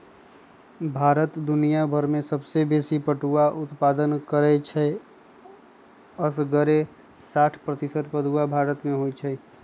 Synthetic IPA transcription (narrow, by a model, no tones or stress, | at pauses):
bʱaːɾət̪d̪ʊnijabʱəɾmẽsəbsebesipəʈuaʔʊt̪pad̪ənkəɾɛt͡ʃʰɛ | əsɡəɾe | saʈʰpɾət̪isət̪pəd̪uabʱaɾət̪mẽɦojt͡ʃʰɛ